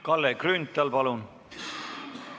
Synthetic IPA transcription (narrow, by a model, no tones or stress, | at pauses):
kɑlːekrynt̪ːˑɑlpɑlun